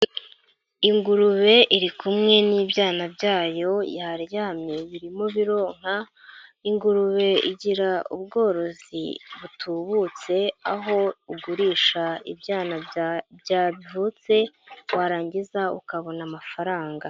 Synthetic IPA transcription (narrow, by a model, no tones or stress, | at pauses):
iŋɡuɾuβe̞ʔiɾikumŋe̞niːbjaːnabɟaːjo̞jaɾjaːmɲeβiɾimo̞βiɾo̞ːŋ̥ha | iŋɡuɾuβe̞ḭɟiɾaubɡo̞ːɾo̞zḭβutʰuβut͡se̞aɦo̞uɡuɾiːʃaḭbjaːnabjaːvut͡se̞waɾaːɲɟizaṵkaβo̞namafaɾaːŋɡa